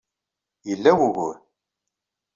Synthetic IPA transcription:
jəlːæwuɣṵɾ

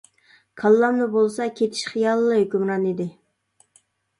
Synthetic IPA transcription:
kʰɑlˠːɑmd̪ɨbolˠsɑkʲʰet̪ʰi̥ʃχijɑlˠːɨhøkʲymɾɑnid̪ɪ

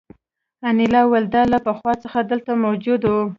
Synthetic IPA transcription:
anɪlɑwald̪ɑlapəxwɑt͡səxad̪əlt̪amawd͡ʒʊd̪wu

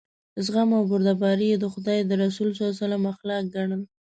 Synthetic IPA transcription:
zɣamawbʊɾd̪abɑɾijed̪əxʊd̪ɑjd̪əɾasulsozalamaxlɑk̚ɡaɳəl

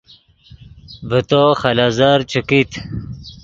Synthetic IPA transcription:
bət̪oxɐlazaɾt͡ɕʰukit̪ʰ

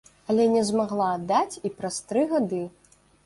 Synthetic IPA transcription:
ɐlʲɛnʲɛzmaɣlˠad̪ːat͡sʲipɾast̪ɾɨɣad̪ɨ

